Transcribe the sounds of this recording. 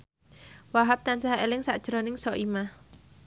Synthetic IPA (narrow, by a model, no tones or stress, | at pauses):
waɦap̚t̪ansaɦaʔelɪŋsaʔd̥ʒ̥ɾɔnɪŋsɔʔimah